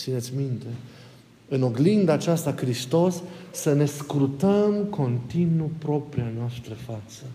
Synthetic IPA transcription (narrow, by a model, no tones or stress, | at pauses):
sinet̪sʲmint̪e̞ | ɨno̞ɡlind̪aat͡ʃast̪akɾist̪o̞sːəne̞skɾut̪əmko̞nt̪inupɾo̞pɾianoast̪ɾəfat̪sə